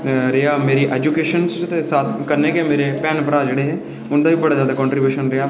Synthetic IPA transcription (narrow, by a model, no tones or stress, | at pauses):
ɾeaːmeːɾiːʔɛːd͡ʒuːkeːʃənst̪esaːkəɾneːkɛmeːɾeːpɛːnpəɾaːd͡ʒeːɽeːɦɛ̃ː | ʊnd̪aːbiːbəɽaːzjaːd̪aːkɔ̃ːɳʈɾiːbjuːʃənɾeaː